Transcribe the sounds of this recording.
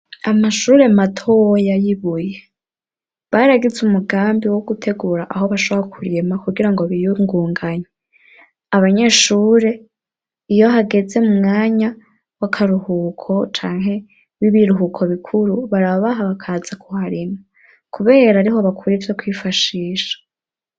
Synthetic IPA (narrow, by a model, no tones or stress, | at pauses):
amaʃuːɾe̞matʰowojajiβuje̞ | βaɾaɡizumuɡaːmbiwoɡutʰe̞ɡuːɾaʔaɦo̞βaʃoβoɾakʰuɾimakuɡiɾaŋɡoβijuŋɡuːŋɡaɲe | aβaɲe̞ʃuːɾe̞ | ijo̞ɦaɡe̞ze̞mumŋaːɲa | wakʰaɾuhukʰo̞t͡ʃaːŋɦe̞ | βiβiɾuɦukʰo̞βikʰuɾuβaɾaβaɦaβakʰaz̥akʰuhaɾima | kuβe̞ːɾaːɾiho̞βakʰuɾevjo̞kwiːfaʃiːʃḁ